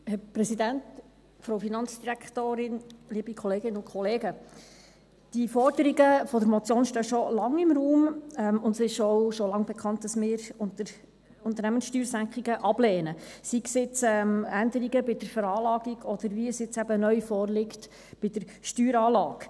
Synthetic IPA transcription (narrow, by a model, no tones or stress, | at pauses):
hɛpɾɛsid̪ænt | fɾoʊfinɑnt͡sd̥iɾækt̪oːɾɪnliːbikʰɔleːɡɪnəʊntkʰɔleːɡə | d̥ifɔrd̥̪əɾiɡəfɔd̪əɾmɔt͡sjoːnʃtœːʃɔlɑŋɪmɾuːmɛmʊndsɪʃɔwʃɔlɑŋbɛkʰχɑnt̚d̥ɑsmɪːɾʊntəɾ | ʊnt̪əɾnæmənsʃtyːɾsæŋkχiɡəʔɑb̥leːnəsiksɪt͡sɛmænd̪əɾiɡəbɪd̥əɾfəɾɑːlɑːɡiɡʰɔd̥̪əɾʋiəsɪt͡sæbənœʏfɔːrlɪkt | b̥ɪd̥̪əɾ | ʃtyːɾɑːlɑːɡ̥